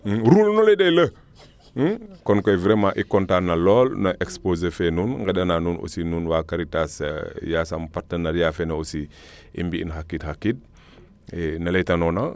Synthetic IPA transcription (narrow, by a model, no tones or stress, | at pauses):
ɾulnuledejlə | kɔnkɔjvɾemãʔikɔntanɐlɔːlnaʔekspozefɛnunŋɡɛdɐnanunʔo̰sinuːnwakaɾitasjasampaɾtənɛːɾjafɛnɐosi | ḭmbiḭnxakːitxakːit̚ | ɛnɐlejtanɔna